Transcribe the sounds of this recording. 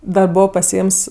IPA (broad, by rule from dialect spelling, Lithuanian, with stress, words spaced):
ˈdɐ ˈboːʋoː pɐsʲɪˈeːms